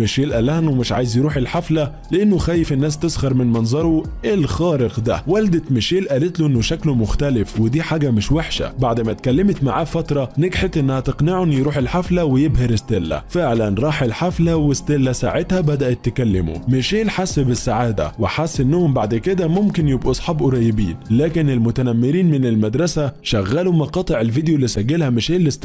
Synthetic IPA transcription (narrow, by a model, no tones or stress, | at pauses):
ɪʃeːlʔælæhnwemɪʃʕaːjezjɾuːħelħaflæ | leʔɪnːʊxæːjːɪfenːæːs̬t̪esˤɣɑɾˤmɪnmɑnzˤɑɾˤoʔɪlxɑːɾɪqd̪æ̰wæld̪ɪt̪mɪʃeːlʔæːlet̪loʔenːʊʃæklomʊxt̪ælɪfwɪd̪iːħaːɡæmɪʃweħʃæ̰baʕd̪mæt̪kælːɪmɪt̪ma̰ʕaːfæt̪ɾˤɑneɡħet̪ʔɪnːæhæt̪ɪqnɪʕonjɾuːħelħaflæwɪjebheɾɪst̪elːæ̰fɪʕlænɾˤɑːħɪlħaflæwɪst̪elːæsa̰ːʕet̪hæbæd̪æʔæt̪ːɪkælːɪmṵmɪʃeːlħasbɪsːaʕaːd̪æ̰wɪħasːʔɪnːʊhʊmbaʕd̪kɪd̪æmʊmkɪnjɪbʔusˤħɑːbʔʊɾˤɑjːɪbḭːnlæːkɪnɪlmʊt̪ænæmːɪɾiːnmɪnɪlmad̪ɾˤɑsæʃæɣːæːlumɑqɑːt̪ˤeʕɪlvid̪jolːisæɡːɪlhæmɪʃeːlːɪst̪